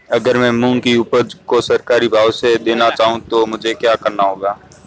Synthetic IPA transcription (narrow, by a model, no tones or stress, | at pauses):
ɐɡəɾmɛ̃ːmũːŋkiuːpəɾd͡ʒkosɐɾkaːɾibʱaːwsed̪eːnat͡ʃaːɦũt̪omʊd͡ʒʱekjaːkɐɾnaɦoːɡaː